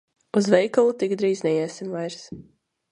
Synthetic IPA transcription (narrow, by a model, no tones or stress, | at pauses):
uzvɛjkalˠut̪ikd̪ɾiːznɛjɛsimvajɾs